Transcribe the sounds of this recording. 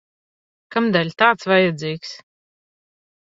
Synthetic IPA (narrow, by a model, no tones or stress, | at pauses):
kamd̪ælʲt̪aːt̪svajɛd̪ziːks